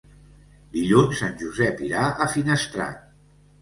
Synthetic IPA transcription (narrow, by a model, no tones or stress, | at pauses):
d̪iʎunsːanʲʒuzɛpiɾaʔəfinəst̪ɾa̰t̪̚